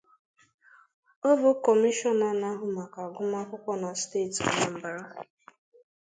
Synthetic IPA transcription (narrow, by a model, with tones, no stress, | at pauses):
ɔ˦bʊ˦kɔ˨mi˦ʃɔ˦na˨na˦ɦʊ˨ma˨ka˨ɡʊ˦ma˦kʷʊ˦kʷɔ˦na˨steː˦˨tna˨m̩˨ba˨ɾa˦